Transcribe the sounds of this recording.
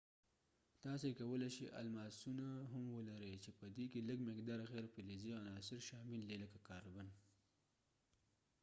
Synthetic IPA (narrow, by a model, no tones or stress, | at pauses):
t̪ɑsekawəlaʃḭʔa̰lmɑsunaɦamwəlaɾət͡ʃepəd̪ikeləɡmɪkd̪ɑɾɣeɾpɪliziɣanɑsɪɾʃɑmilleləkakɑɾban